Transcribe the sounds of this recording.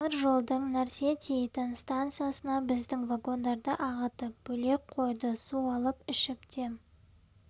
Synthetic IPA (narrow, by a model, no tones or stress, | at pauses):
əɾʒo̞lˠd̪əɴnæɾse̞t̪ʲʰejt̪ɪnst̪ant̪sɨjasənɑbɪzd̪ɪŋvaɡo̞nd̪ɑɾd̪əʔɑʁət̪əp̚b̥ɵle̞k̚qʰo̞jd̪əsuɑlˠəpɪʃɪp̚t̪ʰem